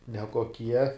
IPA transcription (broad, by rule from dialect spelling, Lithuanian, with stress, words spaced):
nʲɛkoːˈkʲiɛ